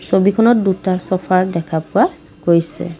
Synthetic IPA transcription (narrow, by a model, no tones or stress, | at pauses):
sobikʰɔnɔt̚dutasɔpʰaɹdɛkʰapʊa | ɡojsɛ̰